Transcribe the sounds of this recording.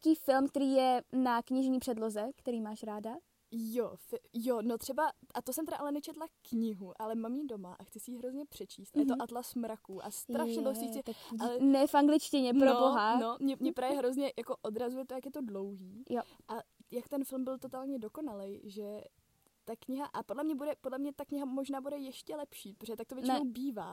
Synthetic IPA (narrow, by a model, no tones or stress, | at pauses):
ciːfɪlmkt̪ɛɾiːjɛnakɲɪʒɲiːpr̥ɛdlo̞zɛkt̪ɛɾiːmaːʃɾaːda | jofɪjonot̪r̥ɛbaʔat̪osɛmt̪ɛdaʔalɛnɛt͡ʃɛt̪lakɲɪɦuʔalɛmamjido̞maʔaxt͡sɪsɛjiːɦɾozɲɛpr̥ɛt͡ʃiːst̪ʔajɛt̪oʔat̪lasmɾakuːʔa̰st̪ɾaʃɲɛbosiːt͡sɪalɛnɛfʔaŋɡlɪt͡ʃcɪɲɛpɾoboɦano̞mɲɛmɲɛpɾaːvjɛɦɾo̞zɲɛjako̞ʔo̞dɾazujɛt̪ojakjɛt̪o̞dlo̞wɦiːjo | ʔajakt̪ɛnfɪlmbɪlt̪o̞t̪aːlɲɛdo̞ko̞nalɛjʒɛ | t̪akɲɪɦaʔapodlɛmɲɛbudɛpodlɛmɲɛt̪akɲɪɦamo̞ʒnaːbudɛjɛʃcɛlɛpʃiːpɾoz̥ɛt̪ak̚t̪ovjɛt͡ʃɪnowbiːvaː